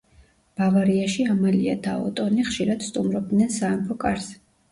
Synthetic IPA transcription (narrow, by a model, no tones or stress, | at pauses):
b̥avaɾiaʃiamalia̰d̪aɔ̰t̪ʼɔniχʃiɾad̪̥st̪ʼumɾɔb̚d̪nɛnsaɛmpʰɔkʼaɾs